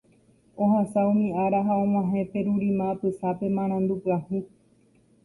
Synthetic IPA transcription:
o̞hasaũmĩaɾaɦaõm̃ãɦẽpe̞ɾuɾimãːpɨsape̞mãɾ̃ãnd̪upɨahũ

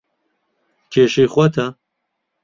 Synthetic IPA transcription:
kʰeːʃiːxʷɐt̪ʰɐ

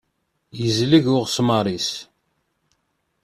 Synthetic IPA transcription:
jəzliʝʊʁsmɑɾˤis

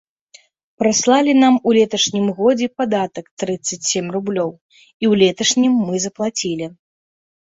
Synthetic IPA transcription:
pɾaslˠalʲinamulʲɛt̪ɐʂnʲimɣɔd͡zʲɛpad̪at̪ɐkt̪ɾɨt̪sːɐt͡sʲsʲemʲrublʲɔw | iwlʲɛt̪ɐʂnʲimːɨzɐplˠat͡sʲilʲi

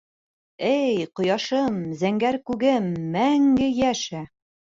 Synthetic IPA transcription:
ɘjqŏjɑʃɤmzæŋɡæɾkʉɡɘmːæŋɡɘjæʃæ

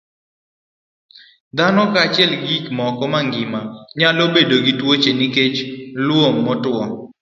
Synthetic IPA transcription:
d̪anɔkaːt͡ʃɪɛlɡikmɔkɔmaŋɡɪmaɲalobedoɡitwot͡ʃeniket͡ʃlwomːɔtwɔ

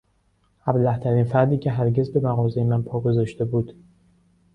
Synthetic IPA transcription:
æblæht̪ʰæɾiːnfæɾd̪iːcʰeɦæɾɟezbe̞mæɣɒːzejemænpʰɒːɡozɒʃt̪e̞buːd̪̥

